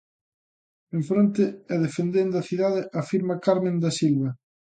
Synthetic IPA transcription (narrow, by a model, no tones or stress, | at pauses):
ẽɱfɾont̪ɪɛðefend̪end̪ɐθiðaðɪʔafiɾmɐkaɾmẽnd̪asilβɐ